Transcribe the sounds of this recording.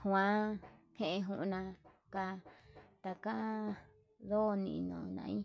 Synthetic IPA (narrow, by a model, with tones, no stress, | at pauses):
hw̃ã˦ | hẽ˧ʔẽ˧ɦu˧ʔnã˧ | ka˧t̪a˨ka˦ | ðo˦˧nḭ̃˧ʔnõ̰˨nã̰˧ĩ˦